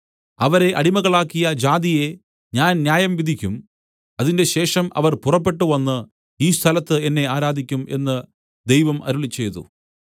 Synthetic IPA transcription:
ɐʋɐɾe̞ʔɐɽimɐɣɐɭaːkːijɐd͡ʑaːd̪ije̞ | ɲaːnnjaːjɐmʋid̪ʱikʲːum | ɐðinde̞ɕe̞ːʂɐmɐ̰ʋɐrpurɐpːe̞ʈːuʋɐnːɨ | iːst̪ʰɐlɐt̪ːɨe̞nːe̞aːɾaːd̪ʱikʲːume̞̰nːɨ | d̪e̞jʋɐmɐ̰ɾuɭit͡ɕːe̞jt̪ṵ

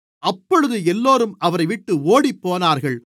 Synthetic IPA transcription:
ʔɐpːɔɻɯðɯɛlːoːɾɯmʔɐʋɐɾɐɪʋɪʈːɯoːɽipːoːnaːɾɣɐɭ

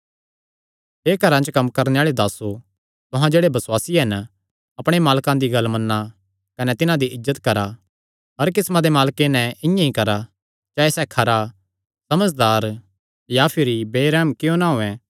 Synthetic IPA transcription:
ɦeːkɐɾãt͡ʃkɐmːkɐɾneaːɭed̪aːso | t̪ʊɦãd͡ʒeːɽebɐswaːsiɦɐn | ɐpɽ̃emaːlkãd̪iɡɐlmɐnːa | kɐnɛt̪ɪnãd̪iʔɪzːət̪kɐɾa | ɦɐɾk̬ɪsmãd̪emaːlkenɛ̃ɪ̃jãɦĩkɐɾa | d͡ʒaːesɛkʰɐɾa | sɐməd͡ʒd̪aːɾ | japʰɪɾibeːɾɛːmkɪjõnaːɦoːɛ̃

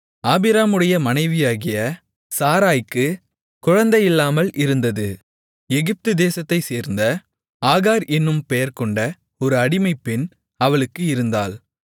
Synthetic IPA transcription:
aːbɪɾaːmɯɽɐjɐmɐnɐɪʋɪjaːɣɪjɐ | saːɾaːjkːɯ | kʊɻɐnd̪ɐjɪlːaːmɐlʔɪɾɯnd̪ɐðɯ | ɛɣɪp̚t̪ɯd̪eːsɐt̪ːɐɪseːɾnd̪ɐ | aːɣaːɾʔɛnːɯmpɛjɐɾkɔɳɖɐ | ɔɾɯɐɽɪmɐɪpːɪn | ɐʋɐɭɯkːɯɪɾɯnd̪aːl

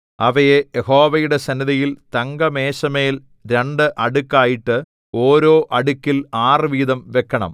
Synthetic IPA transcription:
ɐʋɐjejeho̞ːʋɐjuɽe̞sɐniðɐjilt̪ɐŋɡɐmeːɕɐme̞ːl | ɾeɳɖɨʔɐɽukːaːjiʈːɨ | oːɾo̞ːʔɐɽukːilaːrɨʋiːd̪ɐmʋekʰːɐɳɐ̰m

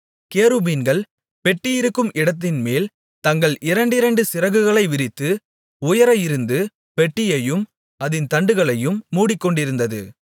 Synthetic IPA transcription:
keːɾɯbiːnɡɐɭ | pɛʈːɪjɪɾɯkːɯmʔɪɽɐt̪̬ːɪnmeːl | t̪ɐŋɡɐɭʔɪɾɐɳɖɪɾɐɳɖɯsɪɾɐɣɯɣɐɭɐɪʋɪɾɪt̪ːɯ | ʊjɐɾɐjɪɾɯnd̪ɯ | pɛʈːɪjɐjɯm | ɐðɪnt̪ɐɳɖɯɣɐɭɐjɯmːuːɽɪkːɔɳɖɪɾɯnd̪ɐðɯ̰

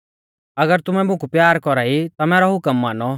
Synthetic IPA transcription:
ɐɡəɾt̪ʊmɛmʊ̃kupjaːɾkɔɾait̪amɛːɾɔɦʊkəmːaːnɔ

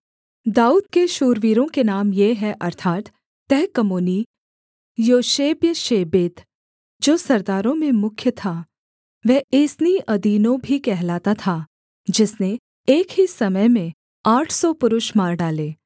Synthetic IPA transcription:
d̪aːuːd̪̚keʃuːɾʋiːɾõkenaːmjeɦɛʔɐɾt̪ʰaːt̪ː | ɛɦkɐmoːni | joːʃeːbjəʃeːbeːt̪ | d͡ʒoːsɐɾd̪aːɾõmẽmʊkʰjət̪ʰaː | ʋɛːeːsniʔɐd̪iːnõbʱikɛɦlaːt̪at̪ʰa | d͡ʒɪsne | eːkɦisɐməjmẽ | aːʈʰsɔpʊɾʊʃmaːɾɖaːleː

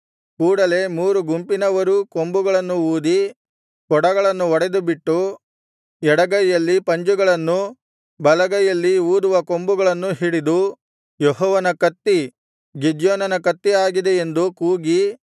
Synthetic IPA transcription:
kuːɽɐle̞muːɾuɡumpinɐʋɐɾuko̞mbuɡɐɭɐnːuuːd̪i | kɔɽɐɡɐɭɐnːuɔɽed̪ubiʈːu | ɛɽɐɡɐjjɐlːipɐɲd͡ʒuɡɐɭɐnːu | bɐlɐɡɐjɐlːiuːd̪uʋɐko̞mbuɡɐɭɐnːuɦiɽid̪u | jɔɦɔːʋɐnɐkɐt̪ːi | ɡid͡ʒjɔːnɐnɐkɐt̪ːiaːɡid̪e̞end̪ukuːɡi

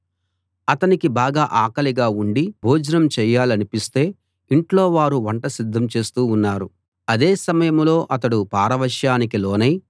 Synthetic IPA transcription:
ɐt̪ɐnikibaːɡaːʔaːkɐliɡaːuɳɖibʱuːd͡ʒɐnɐmt͡ʃɛjːaːliɐnipist̪e̞ː | iɳʈlo̞ːʋaːɾuʋɐɳʈɐsid̪ʱːɐmt͡ʃe̞ːst̪uːnːaːɾu | ɐd̪eːsɐmɐjɐmlo̞ːʔɐt̪ɐɽupaːɾɐʋɐʃjaːnikilo̞ːnɐj

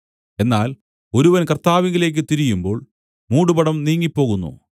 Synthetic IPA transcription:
e̞nːaːl | o̞ɾuʋɐnkɐrt̪aːʋiŋɡile̞ːk̬ːɨt̪iɾijumbo̞ːɭ | muːɽupɐɽɐmniːŋːipːo̞ːɣunːṵ

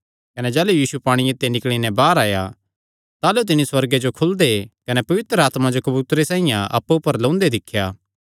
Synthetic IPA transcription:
kɐned͡ʒɛːlujiːsupaːɽ̃ĩeːt̪ːenɪkɭ̃inɛ̃baːɾaːja | t̪aːlot̪̬ɪniswɐɾɡed͡ʒokʰʊld̪ekɐnɛpɐʋɪt̪ɾəaːt̪mãd͡ʒokɐbuːt̪ɾesãːĩjãʔɐ̰pːupːɐɾlɐ̃ʊ̃nd̪ed̪ɪkʰːjaː

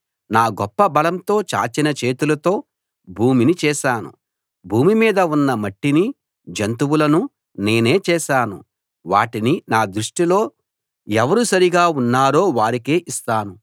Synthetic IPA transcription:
naːɡɔpːɐbɐlɐmt̪o̞ːt͡ʃa̰ːt͡ʃinɐt͡ʃe̞ːt̪ulɐt̪o̞ː | bʱuːminit͡ʃɛːʃaːnṵ | bʱuːmimiːd̪ɐunːɐmɐʈːini | d͡ʒɐnt̪uwulɐnu | ne̞ːne̞ːt͡ʃɛːʃaːnṵ | ʋaːʈininaːd̪ɾuʂʈilo̞ː | ɛʋɐɾusɐɾiɡaːunːaːɾo̞ːʋaːɾikeːʔist̪aːnu

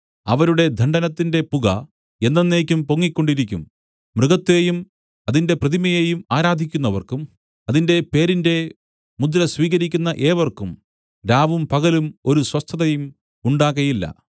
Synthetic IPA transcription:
ɐʋɐɾuɽe̞d̪ʱɐɳɖɐnɐt̪ːinde̞puɣɐ̰ | e̞nːenːeːkʲːumpo̞ŋːikʲːo̞ɳɖiɾikʲːumː | rɨɣɐt̪ːe̞ːjum | ɐðinde̞prɐðimɐjeːjumaːɾaːd̪ʱikʲːunːɐʋɐ̰rkum | ɐðinde̞pe̞ːɾinde̞ | mud̪ɾɐsʋiːɣɐɾikʲːunːɐʔe̞ːʋɐrkum | ɾaːʋumpɐɣɐlumo̞ɾuswɐst̪ʰːɐðɐjum | uɳɖaːɣɐjilːɐ̰

